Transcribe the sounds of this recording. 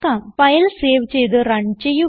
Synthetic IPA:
kapɐjɐlseːʋt͡ɕːejt̪ɨɾɐɳt͡ɕeju

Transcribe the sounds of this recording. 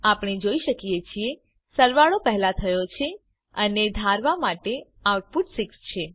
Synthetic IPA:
apɽ̃ed͡ʒoiʃəkijet͡ʃʰie | səɾʋaɭopəɦlat̪ʰəjot͡ʃʰe | əned̪ʱaɾʋamaʈe | awʈ̚puʈsikst͡ʃʰe

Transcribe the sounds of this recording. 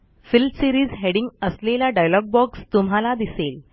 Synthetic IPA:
filsiɾiːzɦeɽiŋɡəslelaɖajlɔɡ̚bɔkst̪umɦalad̪isel

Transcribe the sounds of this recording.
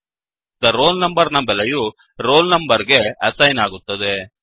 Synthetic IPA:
d̪ɐɾo̞ːlnɐmbɐɾnɐbɛlɐju | ɾo̞ːlnɐmbɐɾɡe̞ɐsɐjnaːɡut̪ːɐd̪e̞

